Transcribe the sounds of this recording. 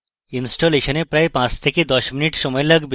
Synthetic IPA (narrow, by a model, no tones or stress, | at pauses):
insʈoleʃənepɾajpãt͡st̪ʰeked̪ɔʃminiʈsɔmɔjeləɡb